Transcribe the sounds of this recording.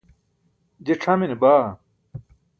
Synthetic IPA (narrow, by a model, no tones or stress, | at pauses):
d͡ʑeʈ͡ʂʰɐminibaː